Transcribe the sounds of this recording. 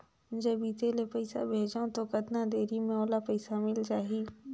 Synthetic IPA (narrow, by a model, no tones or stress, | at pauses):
d͡ʒɐbit̪eːlepɐɪsa̰bʱeːd͡ʒaõt̪okɐd̪nad̪eːɾimẽɔːlapɐɪsamɪld͡ʒaːɦiː